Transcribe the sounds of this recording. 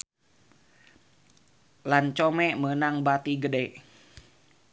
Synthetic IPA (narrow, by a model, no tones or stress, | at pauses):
lant͡ʃomɛmənaŋbat̪iɡədeʔ